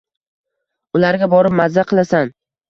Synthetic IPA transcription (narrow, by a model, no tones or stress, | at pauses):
ʊlaɾɡʲabɒɾɪp̚mazːaqʰɨlˠasan